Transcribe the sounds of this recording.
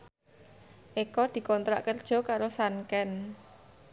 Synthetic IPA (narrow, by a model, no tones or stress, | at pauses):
ʔekɔd̪̥i̤kɔnt̪ɾa̰ʔkərd̥ʒ̥ɔ̤kaɾosankɛn